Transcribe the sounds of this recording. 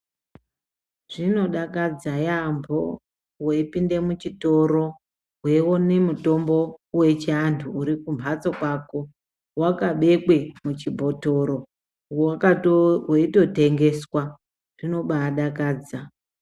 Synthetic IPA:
ʐ̥ino̞ɗakad͡zajambʱo̞̰ | weipinde̞mut͡ʃito̞ɾo̞ | we̞wonemuto̞mbo̞we̞t͡ʃantʰuːɾikumbʱat͡sokwako̞ | wakaɓe̞kwe̞mut͡ʃibʱo̞to̞ɾo̞ | kaweito̞te̞ŋɡe̞swa | r̥ino̞ɓaɗakaːd͡za

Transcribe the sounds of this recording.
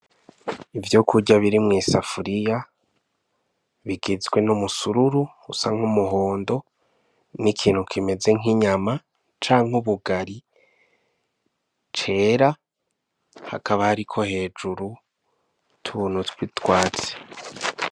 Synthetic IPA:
ivjokʰuɟaβiɾimŋiːsafuɾija | βiɡezɡwe̞numusuɾuɾu | usaŋ̥umuɦo̞ːndo̞ | nikʰiːn̥hukʰime̞ze̞ŋiɲama | t͡ʃaːŋhuβuɡaɾi | t͡ʃe̞ɾa | ha̰kaβahaɾikʰo̞he̞ːd͡ʒuɾu | tʰunutwitwaːt͡se̥

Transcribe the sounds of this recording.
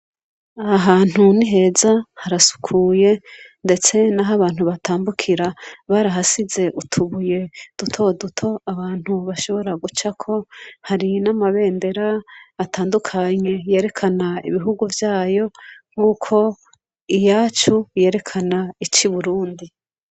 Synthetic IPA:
aɦaːn̥huniɦe̞zahaɾasu̥kʰuːje̞nde̞t͡se̞naɦaβaːn̥huβatʰaːmbukʰiɾaβaɾaɦasize̞ʔutʰuβuje̞d̥utʰo̞dutʰo̞aβaːn̥huβaʃo̞βo̞ɾaɡut͡ʃakʰo̞haɾinamaβe̞ːnde̞ɾaːtʰaːndukʰaɲe̞je̞ːɾe̞kʰanaḭβiɦuɡuvjaːjo̞ŋ̥huːkʰo̞ | ijaːt͡ʃuje̞ːɾe̞kʰanait͡ʃiβuɾuːndi

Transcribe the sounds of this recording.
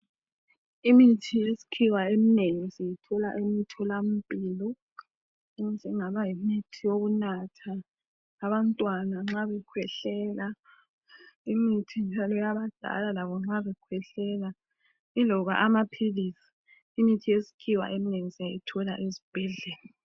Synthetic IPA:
imitʰijesi̥kʰiwaemineŋisijitʰɔla̰ʔemitʰɔlam̩pʼiːlɔ | d͡ʒʱɛŋaβajimitʰijoɣunatʰaː | βantʼwanaŋ͡ǁaβɛkʰwɛɬɛːla | imitʰind͡ʒʱalɔjaβad̥ʱa̰lalaβɔŋ͡ǁaβɛkʰwɛɬɛla | ilɔɣa̰ʔamapʰilisi̥ | imitʰijesi̥kʰiwa̰ʔemineŋisijajitʰɔla̰ʔezib̥ʱɛɮɛːla

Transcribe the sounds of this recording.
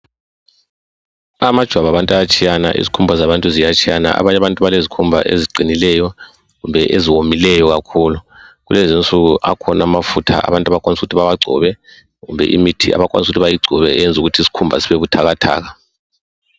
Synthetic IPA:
amad̥ʒ̥ʱwaβaβantʼajat͡ʃʼʰijana̰ʔḭzikʰumbʱazaβantʼuzijat͡ʃʼʰijana̰ʔa̰βaɲaβantʼuβalezikʰumbʱa̰ʔḛziɡ͡ǀʱinilɛjɔ | ɣumbʱɛʔeziwomilɛjɔɣakʰuːluɣulɛzint͡sʼuɣuʔa̰kʰɔnamafutʰa̰a̰βantʼaβakʼwanis̬uutʰiβaβaɡ͡ǀʱɔ̰βɛ | ɣṵmbʱɛ̰ʔḭmitʰia̰βakʼwa̰nisuutʰiβajiɡ͡ǀʱɔβɛɛjɛnd͡zʱuɣutʰisi̥kʰumbʱa̰siβeβutʰaɣatʰa̰ːɣa

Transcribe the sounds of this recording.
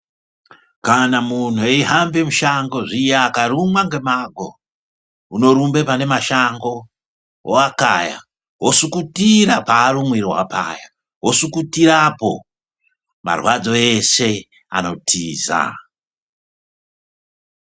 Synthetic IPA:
kanamun̤ueiɦambemuʃaŋɡo̞ʐijaːkarumwaŋɡe̞maɡʱo̞̰ | uno̞ɾumbe̞pane̞maʃaŋɡo̞ | woaka̰ja̰ | ɦwosukutirapaːrumwiriwa̰pa̰ːja | ɦosukutiɾapo̞̰ | ma̰rwad͡zo̞e̞se̞ | ano̞tʰiːza̰

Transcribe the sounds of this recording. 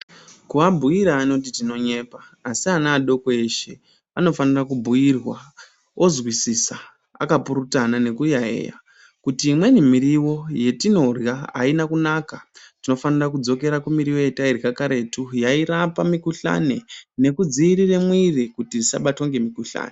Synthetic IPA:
kuabʱujiɾaːno̞t̬itino̞ɲe̞ːpaːsianaːɗo̞koeʃe̞ | ano̞fanirakubʱuirwa | ozwisisa | a̰kapuɾutanane̞kujaḛja̰ | kutiːmwe̞nimiɾiwo̞je̞tino̞rjaa̰inakunakatino̞fanirak̬ud͡zo̞ke̞ɾakumiɾiwoje̞tairikakaɾe̞tujaiɾapamikuɬa̰ne̞ne̞kud͡ziɾiremwirikutizisa̰ɓato̞ŋɡe̞mikuɬa̰ːne

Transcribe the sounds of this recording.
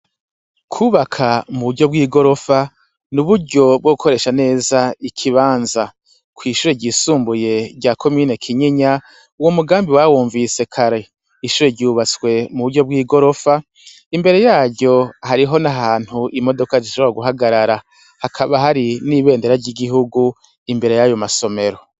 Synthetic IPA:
kʰuːβakʰamuβuɾɟo̞b̚ɡiːɡo̞ɾo̞fa | nuβuɾɟo̞b̚ɡoɡukʰo̞ɾe̞ːʃane̞ːzaikʰiβaːnza | kwiːʃuːɾe̞ɟiːsuːmbuje̞ɾɟaːkʰomiːne̞kʰiɲiɲa | uwo̞muɡaːmbiwawuːɱvise̞kʰaɾe̞ | iʃuːɾeɾɟuːβat͡swe̞muβuɾɟo̞b̚ɡwiːɡo̞ɾo̞fa | imbe̞ɾe̞jaːɾɟo̞haɾiɦo̞naɦaːn̥huʔimo̞do̞kaziʃoβɾaɡuɦaɡaɾaɾa | hakʰaβaɦaɾiniβe̞ːnde̞ɾaɾɟiɡiɦuɡu | imbe̞ɾe̞jajo̞maso̞me̞ɾo̞

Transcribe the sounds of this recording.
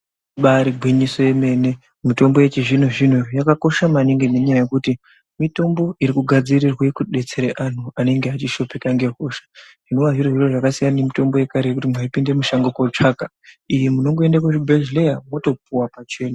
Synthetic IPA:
ɓaɾiɡʱwiɲiso̞je̞me̞ːne̞ | mito̞mboje̞t͡ʃiʐin̤uʐin̤ujakako̞ʃamaniŋɡeneɲajaje̞kuti | mito̞mbo̞ʔiɾikuɡʱad͡zirirwe̞kuɗe̞t͡se̞ɾeʔan̤uane̞ŋɡeat͡ʃiʃo̞pe̞kaŋɡe̞ɦo̞ːʃḁʐino̞waʐiroʐiroʐakasijannemito̞mbo̞je̞kaɾekutimwaipinde̞muʃaŋɡokot͡ʂaːka | ijemuno̞ŋɡoe̞ndakuʐibʱeʒlejamwo̞to̞p̚uwapat͡ʃe̞ːna

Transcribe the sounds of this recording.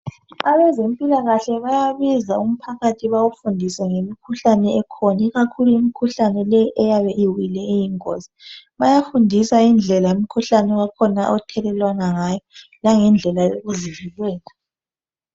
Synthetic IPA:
aβɛzempʼilaɣaɬɛβajaβizaum̩pʰaɣatʰiβawufundʱisɛŋemikʰuɬanɛɛkʰɔnaiɣakʰuluimikʰuɬanɛlɛʔɛjaβɛʔiwilɛejiŋo̰zi̥βajafundʱisaind͡ɮʱɛlaumikʰuɬanɛɔɣakʰɔnaʔɔtʰɛlɛlwanaŋaːjɔ | laŋɛnd͡ɮʱɛlaoɣuzivilwɛːla

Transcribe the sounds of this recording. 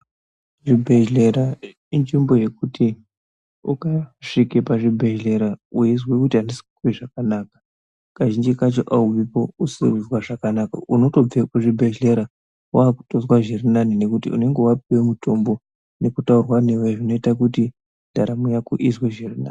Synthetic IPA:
ʐibʱe̞ʒleɾa | ind͡ʒimbo̞je̞kutʰi | ukaʂikepaʐibʱeʒle̞ɾaujizwekutianesi̥ki̥kuwiʐakanaːkḁ | kaʒind͡ʒikat͡ʃo̰ʔauʋipo̞usḭzwaʐakanaka̰uno̞to̞b͡vekuʐibʱeʒleɾa | waːku̥tozwaʒirinanine̞kutḭṵne̞ŋɡewap̚iwe̞mutʰo̞mbo̞ | ne̞kutaurwaneweʐino̞itakuti | d̥ʱaɾamujakuʔizweʒirina̰ːni

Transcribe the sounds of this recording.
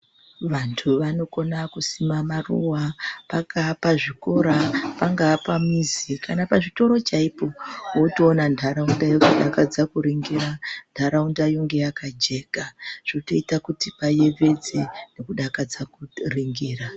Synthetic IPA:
ʋantʰuʋano̞ko̞nakusimamarṵwapakʰapaʐiko̞ɾapaŋɡapamizikʰanapaʐito̞ɾo̞t͡ʃaipo̞woutoːnandʰʱaɾaundajokuɗakad͡zakuɾiŋɡiɾandʰʱaɾaundajoŋɡe̞jakad͡ʒe̞ːkaʐ̥oto̞itakutipaje̞ve̞d͡zinekuɗakad͡zakuriŋɡiːra

